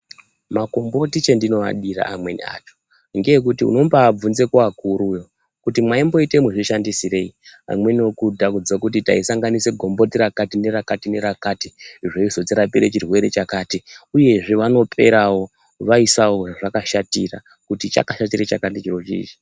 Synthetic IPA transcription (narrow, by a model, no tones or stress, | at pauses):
mako̞mbo̞tit͡ʃendino̞a̰ɗira̰ʔamwe̞nḭa̰t͡ʃo̥ | ŋɡejek̬utiṵno̞mbaːb͡vunze̞kuakuɾujo̞ | kutimwaimbo̞ite̞muʐiʃandisire̞ia̰mwe̞niokudʱakud͡zakutita̰isaŋɡaniseɡʱo̞mbo̞tiɾakatine̞rakatine̞ɾakatiʐeizo̞t͡siɾapiɾḛt͡ʃirwe̞ɾe̞t͡ʃakaːtiuje̞ʐeʋano̞pʰe̞̰ɾawo̞ | ʋaisawo̞ʐakaʃatira | kutit͡ʃa̰kaʃat̬iret͡ʃakatit͡ʃiro̞t͡ʃḭt͡ʃi̥